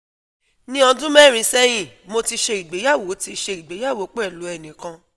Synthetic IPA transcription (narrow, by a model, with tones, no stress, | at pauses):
nĩ˦ɔ̃˧dũ˦mɛ˦˨ɾ̃ĩ˧˦sɛ˦j̃ĩ˦˨mo˧ti˧ʃe˧i˨ɡ͡be˨˦ja˦˨wo˨˦ti˧ʃe˧i˨ɡ͡be˨˦ja˦˨wo˨˦k͡pɛ˦˨lu˨˦ɛ˨nĩ˨kã˧